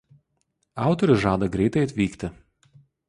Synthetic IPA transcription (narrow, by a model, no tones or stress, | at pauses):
ɑˑʊt̪ɔɾʲʊsʒɑːd̪ɐɡɾʲɛɪt̪ɐɪɐt̪ʲʋʲiːkt̪ʲɪ